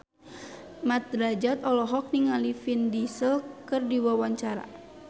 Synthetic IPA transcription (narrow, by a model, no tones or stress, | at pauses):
mat̪̚ɾad͡ʒat̪ɔlɔɦɔk̚niŋalifindisəlkərdiwawaɲt͡ʃaɾa̰